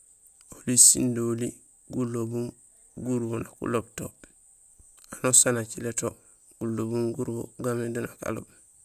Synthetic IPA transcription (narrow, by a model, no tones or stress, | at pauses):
olisḭndoli | ɡulobum | ɡuɾwonakṵlob̚top | anosanat͡ʃileto | ɡ̥ulːobumɡuɾbo̰ɡamedunaka̰lo̰b